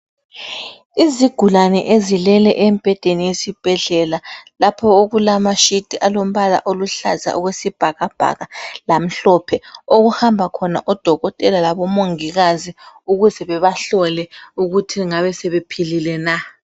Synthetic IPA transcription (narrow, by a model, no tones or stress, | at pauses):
iziɡ̥ʱulanɛ̰ʔezilɛlɛ̰ʔɛmb̥ʱɛd̥ʱenijesib̥ʱɛɮɛlalapʰɔoɣulamaʃid̥ʱiʔalom̩βala̰ʔoluɬa̰za̰ʔɔɣwesib̥ʱaɣab̥ʱa̰ɣalam̩ɬɔpʰɛoɣuhambʱakʰɔna̰ʔɔd̥ʱɔɣɔtʼɛlalaβɔmoŋiɣaziuɣuzɛβɛβaɬɔlɛuɣutʰiŋaβɛsɛβepʰililɛna